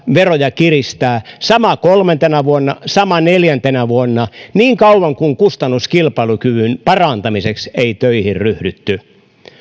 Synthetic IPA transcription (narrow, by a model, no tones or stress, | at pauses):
ʋerojɑkirist̪æːsɑmɑkolment̪enæʋuonːɑsɑmɑneljænt̪enæʋuonːɑniːŋkɑuwɑŋkuŋkust̪ɑnːuskilpɑilukyʋynpɑrɑnt̪ɑmisekseit̪øihirryhdyt̪ːy